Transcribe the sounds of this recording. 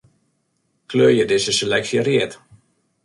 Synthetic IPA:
kløːjədɪzəselɛksjəriət

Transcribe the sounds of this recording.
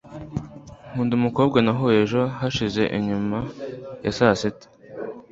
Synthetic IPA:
huːndumuko̞bɡanaɦoeʒo̞ɦaʃize̞ʔḭɲumajasasetḁ

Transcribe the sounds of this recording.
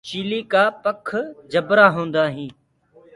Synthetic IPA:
t͡ʃiːliːkaːpəkʰd͡ʒəbɾaːɦõːnd̪aːɦĩː

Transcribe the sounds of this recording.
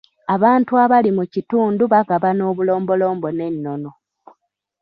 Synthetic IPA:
aβaːntuaβalimucituːnduβaɡaβano̞ːβulo̞ːmbo̞lo̞ːmbo̞ne̞nːo̞no̞

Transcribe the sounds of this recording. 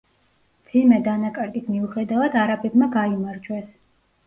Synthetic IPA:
md̪zimɛd̪anakʼɛɾd̪ismiuχɛd̪avad̪aɾabɛbmaɡaimaɾd͡ʒwɛs

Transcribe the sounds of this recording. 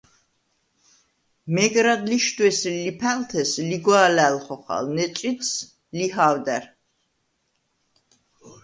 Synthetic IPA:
mɛɡɾad̪liʃt̪ʼwɛslipʰælt̪ʰɛsliɡwɔalælχɔχa̰lnɛt͡sʼit̪s | lihaːwd̪ɛɾ

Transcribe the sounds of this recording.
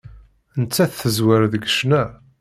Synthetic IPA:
nt͡sːæθθəzwəɾðəɡəʃnæ

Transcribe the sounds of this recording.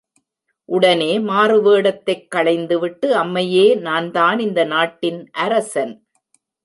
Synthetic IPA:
ʔʊɽɐneːmaːɾɯʋeːɽɐt̪ːɐɪkːɐɭɐɪnd̪ɯʋɪʈːɯɐmːɐjeːnaːnt̪aːnɪnd̪ɐnaːʈːɪnʔɐɾɐsɐn

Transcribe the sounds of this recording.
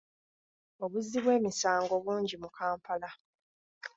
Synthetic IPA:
o̞βuzːiβwe̞ːmisaːŋɡo̞βuːɲɟimukʰaːmpala

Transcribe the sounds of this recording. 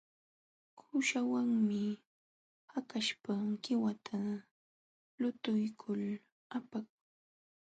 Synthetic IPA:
kʰʊʃawaŋmɪ | hakaʃpakɪwat̪ʰa | lʊt̪ʊjkʰʊl | apak̚ʊ

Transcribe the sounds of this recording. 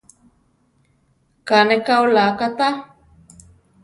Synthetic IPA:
kanekaolakat̪a

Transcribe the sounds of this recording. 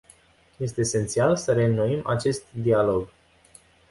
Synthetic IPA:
je̞st̪e̞ːse̞nt̪sialsəɾe̞nuimat͡ʃe̞st̪d̪ialo̞ɡ

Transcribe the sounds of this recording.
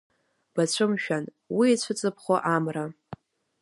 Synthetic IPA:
b̥at͡ɕʷʰɨmʃᶣan | wiːt͡ɕʷʰɨt͡sʼɨpʰχʷoʔamra

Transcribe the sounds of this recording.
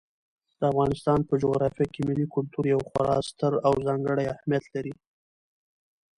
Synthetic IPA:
d̪̥əafɣɑnɪst̪ɑnpəd͡ʒʊɣɾɑfijakemɪlikʊlt̪uɾjawxʊɾɑ̰st̪əɾawzɑŋɡəɽajahmijat̪laɾi

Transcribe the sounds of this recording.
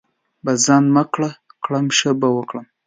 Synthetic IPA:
bazɑnmakɽakɽamʃəbawəkɽəm

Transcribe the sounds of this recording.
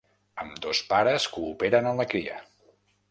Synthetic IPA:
əmd̪ospaɾəskuːpeɾənənləkɾiə̰

